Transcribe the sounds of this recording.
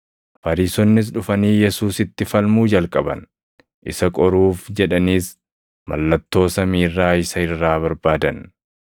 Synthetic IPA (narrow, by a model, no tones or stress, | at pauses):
fɐɾiːsɔnːɪs̬ᶑʊfɐniːjɛsuːsɪt̪ːɪfɐlmuːd͡ʒɐlkʼɐbɐ̰n | ʔɪ̰sɐkʼɔɾuːfd͡ʒɛᶑɐniːs | mɐ̰lːɐt̪ːo̞ːsɐmiːrːaːɪsɐɪrːaːβɐɾbaːd̪ɐn